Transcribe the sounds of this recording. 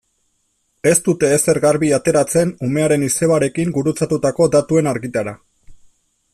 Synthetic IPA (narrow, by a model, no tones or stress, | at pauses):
e̞st̪ut̪e̞ːse̞ɾɣaɾβiat̪e̞ɾat͡se̞nume̞aɾe̞nise̞βaɾe̞kiŋɡuɾut͡sat̪ut̪ako̞d̪at̪ue̞naɾɣit̪aɾa